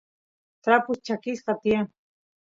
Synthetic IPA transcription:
t̪ɾapʊst͡ʃakɪsqɑt̪ija

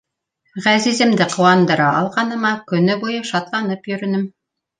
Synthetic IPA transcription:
ʁæzizɘ̆md̪ɘqŏwɑnd̪ɤ̆ɾɑʔɑlˠʁɑnɤ̆mɑkɵ̆nɘbujɤʃɑt̪lˠɑnɤpjɵ̆ɾɵ̆nɘm

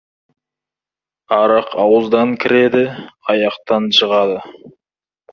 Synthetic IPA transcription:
ɑɾɑqʰɑwəzd̪ɑŋkʲʰɪɾe̞d̪ɪɑjɑqt̪ɑnʃʰəʁɑd̪ə

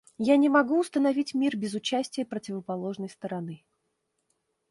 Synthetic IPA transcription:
janʲɪmɐɡuʊst̪ənɐvʲitʲmʲirbʲɪzʊt͡ɕæsʲtʲɪjəpɾətʲɪvəpɐlˠo̞ʐnəjst̪əɾɐnɨ

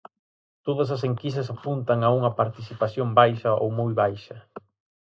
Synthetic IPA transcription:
t̪oðɐs̬ɐs̬eŋkis̬ɐsapunt̪ɐŋauŋɐpaɾt̪iθipaθjoŋbajʃɐʔo̰wmojβajʃɐ

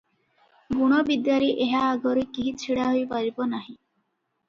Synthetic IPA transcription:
ɡuɽ̃ɔbid̪jaɾiʔeɦaːɡɔɾekiɦit͡ʃʰiɽaɦojpaɾibɔnaɦĩ

